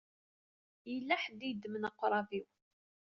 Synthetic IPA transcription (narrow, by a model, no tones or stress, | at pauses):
jəlːæħəd̪id̪ːmənɑqːɾˤɑviw